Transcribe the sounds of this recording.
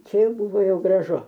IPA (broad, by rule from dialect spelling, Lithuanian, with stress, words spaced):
ˈt͡ʃʲɛ ˈjɛʊ ˈbʊʋoː ˈjɛʊ ɡrɐˈʒʊ